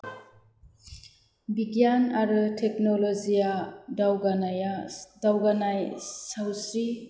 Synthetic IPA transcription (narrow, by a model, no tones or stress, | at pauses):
biɡjanaɾɯtʰek̚nɔlɔzijadawɡanajadawɡanajsawsɾi